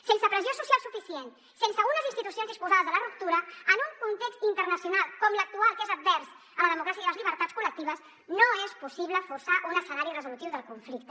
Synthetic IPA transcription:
sensəpɾəziosusjalˠsufisien | sensəɣunəzinst̪it̪usionzəkspuzaðəzðələrup̚t̪uɾəənuŋkunt̪ekst̪int̪ərnəsiunalˠkɔmlək̚t̪ualˠkezəd̪̚bɛɾs | ələðəmukɾasiəiðləzʎiβ̞əɾt̪att͡sskulək̚t̪iβəz | noespusiβləfursaʔunəsənaɾirəzulut̪iwðəlˠkuɱflik̚t̪ə

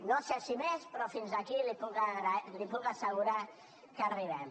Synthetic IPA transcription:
nosesimespɾɔfinzakilipukaɣɾalipukasəɣuɾa | kariβɛm

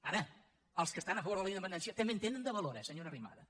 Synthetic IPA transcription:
aɾə | əlˠskəst̪anəfəβoɾðəlˠəind̪əpənɛnsiət̪əmbent̪enənd̪əβəloɾɛsəɲoɾərima̰ðə

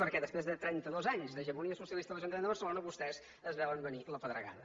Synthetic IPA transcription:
pəɾkɛðəspɾezðət̪ɾɛnt̪əðɔzaɲzðəʒəɾmuniəsusiəlˠist̪əðələʒunmend̪əβərsəlonəβust̪ɛz | əzβɛləmbəniləpəðɾə̰ɣa̰ðə

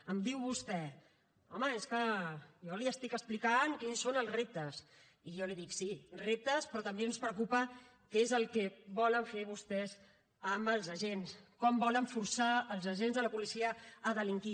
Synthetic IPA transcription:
əmd̪iwβust̪ɛ | ɔməeskəjɔliəst̪ikəsplikankinsːonəlˠzrep̚t̪əs | ijɔliðiksirep̚t̪əspɾɔt̪əmbenspɾəkupə | kezəlˠkɛβɔləɱfeβ̞ust̪ɛz | əməlˠzəʒenskɔmbɔləɱfuɾsaəlˠzəʒenzðələpulisiəːðəliŋki

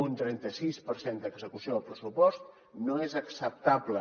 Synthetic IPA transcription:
unt̪ɾɛnt̪əsispəɾsend̪əɡzəkusioəlˠpɾəsupɔst̪̚ | noezəksəp̚t̪ablə

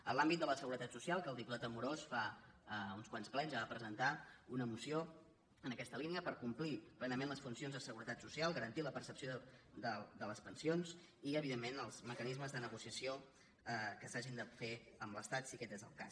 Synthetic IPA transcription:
əlambit̪̚d̪ələsəɣuɾət̪at̪susialˠkəːlˠt̪ip̪ulat̪əmuɾosfa | unskwansplɛɲzβapɾəzənt̪aunəmusio | ənəkɛst̪əliniəpəɾkumpliplɛnəmenləsfunsionzðəsəɣuɾət̪at̪susialˠɣəɾənt̪iləpəɾsəpsiod̪əd̪ələspənsionz | iəβiðemːenəlˠzməkənizməzðənəɣusiəsijo | əkəsaʒind̪əfeəmləst̪at̪sikɛt̪ezə̰lˠka̰s

